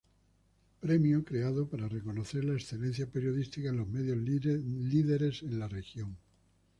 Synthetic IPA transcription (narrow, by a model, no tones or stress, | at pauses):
pɾe̞mjokɾe̞aðopaɾare̞ko̞noθe̞ɾlaesθe̞le̞n̟θjape̞ɾjo̞ðist̪ikaenlo̞zme̞ðjo̞zliðe̞ɾe̞se̞nlare̞xjo̞ŋ